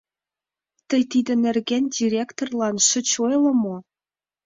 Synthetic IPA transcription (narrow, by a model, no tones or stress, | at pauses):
t̪ə̆jt̪id̪ə̆nĕrɣænʲdʲiɾʲekt̪orlˠɑnʃə̆t͡ɕojlɤ̆mo